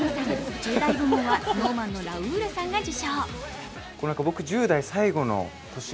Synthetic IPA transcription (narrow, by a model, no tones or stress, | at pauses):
ad͡ʑɨːd̪aiɡomɯ̃βano̞ːmãnːo̞ɾaɯ̟ːɾɯsãŋɡad͡ʑiɕoː | kononakabo̞kɯ̟ʑɨːd̪aisaiɡo̞no̞̰ | t̪o̞ɕi